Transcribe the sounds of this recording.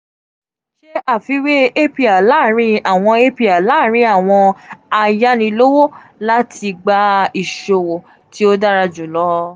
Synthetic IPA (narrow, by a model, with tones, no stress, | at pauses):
ʃe˦a˦˨fi˨˦we˦e˦pi˧a˨la˦˨ɾĩ˧a˨w̃ɔ̃˧e˦pi˦˧a˨la˦˨ɾ̃ĩ˧˦a˦˨w̃ɔ̃˧a˧˨ja˦nĩ˧lo˦wo˦ | la˦tʰi˧ɡ͡ba˧˦i˨ʃo˨wo˨ | ti˦o˦da˦ɾa˧d͡ʒu˨lɔ˦